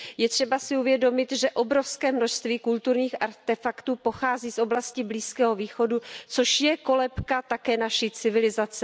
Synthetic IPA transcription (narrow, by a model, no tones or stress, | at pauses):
jɛt̪r̝̥ɛbasɪuvjɛdo̞mɪt̪ʒɛʔo̞bɾo̞fskɛːmno̞ʃst̪viːkult̪uɾɲiːxʔaɾt̪ɛfakt̪uːpo̞xaːziːsʔo̞blascɪbliːskɛːɦo̞viːxo̞dut͡so̞ʃjɛko̞lɛpkat̪akɛːnaʃit͡sɪvɪlɪzat͡sɛ